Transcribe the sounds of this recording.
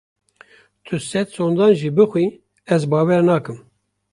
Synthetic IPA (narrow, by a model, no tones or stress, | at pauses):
t̪ʰɨsɛt̪soːnd̪ɑːnʒiːbɨxwiː | ɛzbɑːwɛɾnɑːkɨm